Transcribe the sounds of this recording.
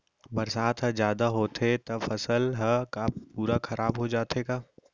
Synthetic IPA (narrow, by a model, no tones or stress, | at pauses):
bɐɾsaːt̪ʰɦɐzjaːd̪aɦoːt̪ʰet̪ɐfɐsəlɦɐkapuːɾakɐɾʔaːbɦod͡ʒaːt̪eɡaː